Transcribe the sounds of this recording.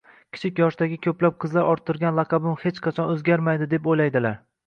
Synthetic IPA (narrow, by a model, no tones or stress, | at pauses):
kʲʰɪ̥t͡ʃʰɪkʲjɒʃd̪aɡʲɪkʲʰɵplap̚qʰɨzlaɾʔɒɾt̪ʰːɪɾɡʲanlˠɑqʰɑbɪmhe̞t͡ʃqʰɑt͡ʃʰɒnɵzɡʲaɾmajd̪ɪd̪epojlajd̪ɪlaɾ